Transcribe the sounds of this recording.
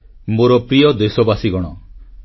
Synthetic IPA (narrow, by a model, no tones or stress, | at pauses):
moɾɔpɾijɔd̪esɔbasiɡɔɽ̃ɔ